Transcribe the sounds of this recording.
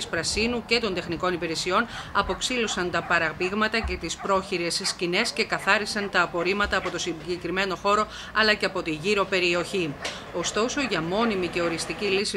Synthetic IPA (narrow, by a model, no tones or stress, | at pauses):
espɾɐsinuce̞t̪o̞nd̪e̞xniko̞nipiɾe̞sio̞nɐpo̞ksilo̞sɐnt̪ɐpɐɾɐpiɣmɐt̪ɐce̞t̪ispɾo̞çiɾe̞sscine̞sce̞kɐθɐɾisɐnt̪ɐːpo̞ɾimɐt̪ɐːpo̞t̪osiɟekɾime̞no̞xo̞ɾo̞ | ɐlɐce̞ɐpo̞t̪iʝiɾo̞pe̞ɾio̞çi | o̞st̪o̞so̞ʝɐmo̞nimice̞o̞ɾist̪icilisi